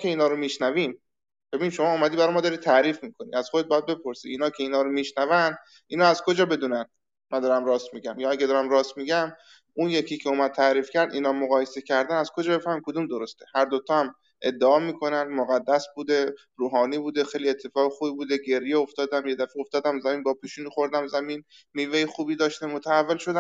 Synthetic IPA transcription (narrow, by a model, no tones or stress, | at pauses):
kʰe̞iːnɒːɾomiːʃnævim | b̥e̞binʃo̞mɒumæd̪iːbæɾjmɔːd̪ɒːɾiːt̪t̪ʰæɾiːfmiːkʰo̞nḭæz̥xod̪ebɒjæd̪̚be̞pʰo̞ɾsḭiːnɒːcʰeiːnɒːɾomiːʃnævænd̪ | iːnɒːæzkʰo̞d͡ʒɒːbe̞d̪uːnænd̪ | mænd̪ɒːɾæmɾɒːst̪miɟæmjɒːæɡed̪ɒːɾæmɾɒst̪miɡæm | unje̞cʰiːcʰeomæd̪̚t̪ʰæɾiːfcʰæɾd̪iːnɒːmoɣɒːjese̞cʰæɾd̪ænæz̥kʰod͡ʒɒːbefæɾmimkʰod̪umd̪oɾost̪ehæɾd̪ot̪ʰɒːæm | ʔe̞d̪ːeɒːmiːkʰo̞nænd̪moɣæd̪ːæsbuːd̪e̞ | ɾuːɦɒːniːbuːd̪e̞xejlie̞t̪ʰːe̞fɒːɣexuːbibuːd̪e̞ɟe̞ɾjeoft̪ɒːd̪æmje̞d̪æfeo̞ft̪ɒːd̪æmzæmiːnbɒːpʰiːʃuːnixo̞ɾd̪æmzæmiːn | miːvejixuːbiːd̪ɒːʃt̪emot̪ʰæævːelʃod̪æ